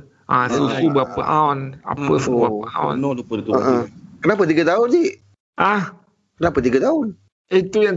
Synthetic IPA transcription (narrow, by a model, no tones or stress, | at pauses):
ʔasusubəapəʔaʊna̰pəsuuapəa̰nəʔəkənap̬ət̪̬iɡat̪aʊnd͡ʒi | ʔah | kənapət̪̬iɡat̪aʊn | it̪ujaŋ